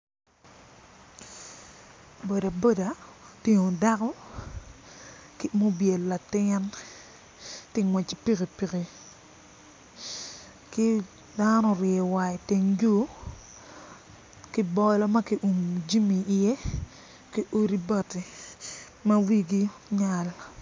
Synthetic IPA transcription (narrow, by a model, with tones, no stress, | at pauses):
bo˨da˨bo˦da˨te˨ŋo˨da˦kɔ˦ | ki˦mo˦bje˨lːa˨tɪ˦n | tɪ˦ŋwɛ˨t͡ʃi˨pi˦ki˨pi˨ki˨ | ki˦ | da˦nɔ˦ɾje˨wa˨i˨te˨ŋd͡ʒu˦ | ki˦bɔ˦lɔ˦ma˦ki˦ʔu˨md͡ʒi˦mi˨ɪ˨e˦ | ki˦ʔo˦ɾi˦ba˦˨ti˨ | ma˦wi˦ɡi˦ɲa˨l